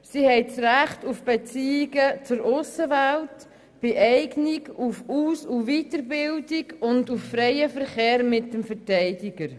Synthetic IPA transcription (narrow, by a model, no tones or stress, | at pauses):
siːhɛɪt͡sɾæχtufb̥ɛt͡siːɪɡət͡sʊɾʊsəʋælt | b̥eʔɛɪɡniɡufuːsuvitəɾbɪldɪɡʊnduffɾɛjəfəɾχeːɾmɪt̚dəmfəɾtɛɪdɪɡ̥əɾ